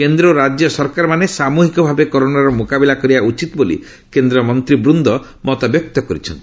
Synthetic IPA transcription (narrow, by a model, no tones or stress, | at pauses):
kend̪ɾɔɾad͡ʒjɔsɔɾkaɾɔmanesamuɦikɔbʱabekɔɾonaɾɔmukabilakɔɾibaut͡ʃit̪ɔbolḭ | kend̪ɾɔmɔnt̪ɾibɾund̪ɔ | mɔt̪abjɔk̚t̪ɔkɔɾit͡ʃʰɔnt̪i̥